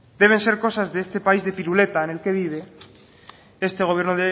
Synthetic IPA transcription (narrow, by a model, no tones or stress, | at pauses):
d̪̥e̞β̞e̞nse̞ɾko̞sazðeest̪e̞paizðe̞piɾule̞t̪aene̞lkeðiðe | e̞st̪e̞ɣoβje̞ɾnoðe